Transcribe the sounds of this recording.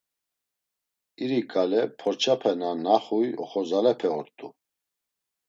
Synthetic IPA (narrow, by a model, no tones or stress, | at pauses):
iɾikʼalɛpʰɔɾt͡ʃʰapʰɛnanaχujɔ̰χɔzalɛpʰɛɔɾt̪ʼu